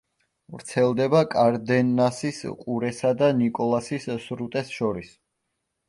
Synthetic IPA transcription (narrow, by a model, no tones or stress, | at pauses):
vɾt̪sʰɛlˠd̪ɛbakʼaɾd̪ɛnːasisqʼuɾɛsad̪anikʼɔlˠasissɾut̪ʼɛsʃɔɾis